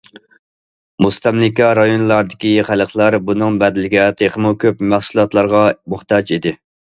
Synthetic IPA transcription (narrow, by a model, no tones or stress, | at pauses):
must̪ɛmlɪkʲɑɾɑjonlˠɑɾd̪ɪkʲiχæləqlˠɑɾbunɨŋbɛd̪ɪlɪɡʲɛt̪ʰeχəmukʲʰøpmæχsulˠɑt̪lˠɑɾʁɑmʊχt̪ɑd͡ʒid̪ɪ